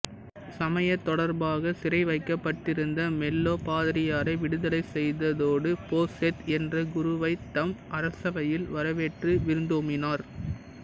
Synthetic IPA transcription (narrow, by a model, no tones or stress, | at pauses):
sɐmɐjɐt̪ːɔɽɐɾbaːɣɐsɪɾɐɪʋɐɪkːɐpːɐʈːɪɾɯnd̪ɐmɛlːoːpaːðɪɾɪjaːɾɐɪʋɪɽɯðɐlɐɪsɛjðɐðoːɽɯpoːsɛt̪ɛndrɐɡʊɾʊʋɐɪt̪ːɐmʔɐɾɐsɐʋɐjɪlʋɐɾɐʋeːʈrɯʋɪɾɯnd̪oːmɪnaːɾ